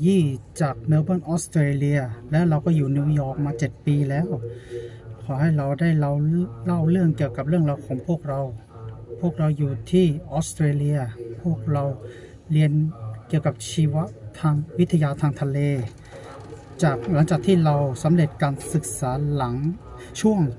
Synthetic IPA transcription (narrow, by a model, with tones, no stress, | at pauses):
jiː˥˩t͡ɕaː˨˩k̚neː˧baː˥˩˨nʔɔː˦˥st̪ɾeː˧li˧ɐlɛː˦˥wɾa˧wkɔː˥˩juː˨˩niː˧jɔː˨˩k̚maː˧t͡ɕe˨˩t̪̚piː˧lɛː˦˥˩w | kʰɔː˩˦ha˥˩jɾa˧wdaː˥˩jla˧˩wla˥˩wlɯ˥˩əŋki˨˩əwka˨˩p̚ɾɯ˥˩əŋla˧˩wkʰɔː˩˦ŋpʰu˥˩ək̚ɾa˧wpʰuː˥˩ək̚ɾa˧wjuː˨˩t̪ʰiː˥˩ʔɔː˦˥st̪ɾeː˧li˧ɐpʰu˥˩ək̚ɾa˧w | ɾi˧ənki˨˩əwka˨˩p̚t͡ɕʰiː˧wa˦˥ʔt̪ʰaː˧ŋwi˦˥t̪ʰːa˧jaː˧t̪ʰaː˧ŋt̪ʰa˧leː˧ | t͡ɕaː˨˩k̚la˩˦ŋt͡ɕaː˨˩k̚t̪ʰiː˥˩ɾa˧wsa˩˦mle˨˩t̪̚kaː˧nsɯ˨˩k̚saː˩˦la˩˦ŋ | t͡ɕʰu˥˩əŋ